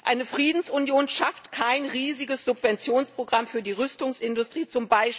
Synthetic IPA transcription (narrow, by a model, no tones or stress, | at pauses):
ʔaɪnəfʁ̥iːdn̩sʊnjoːnʃaftkʰaɪnʁiːzɪɡəsz̥ʊpv̥ɛnt͡sjoːnspʁ̥oɡʁamfyːɐdiːʁʏstʊŋsʔɪndʊstʁ̥iːt͡sʊmbaɪʃ